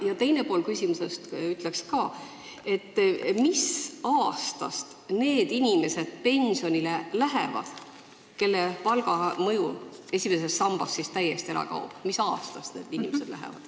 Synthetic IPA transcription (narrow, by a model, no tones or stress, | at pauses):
jɑt̪e̞jne̞po̞ːlkysʲimusest̪yt̪ˑlekskɑː | e̞t̪ːmisɑːst̪ɑ̰st̪ne̞ːd̪̥inʲime̞se̞d̪̥̚pe̞nsionilelæɦḛvɑ̰d̪̥ | ke̞lːepɑlɡ̥ɑmɤjue̞sʲime̞se̞sːɑmb̥ɑsːist̪æjːest̪ieɾɑ̰kɑ̰ub̥misɑːst̪ɑst̪ne̞ːd̪inʲimese̥læ̰ɦḛvɑ̰d̪̥